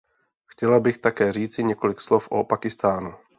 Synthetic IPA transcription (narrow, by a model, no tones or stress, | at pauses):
xcɛlabɪxt̪akɛːr̝iːt͡sɪɲɛko̞lɪkslofʔopakɪst̪aːnu